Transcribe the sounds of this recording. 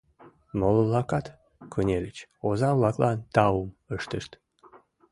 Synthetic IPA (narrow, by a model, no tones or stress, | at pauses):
moləlɑkɑt̪ | kʰənʲelʲət͡ɕozɑβlɑklɑnt̪ɑuməʃt̪əʃt̪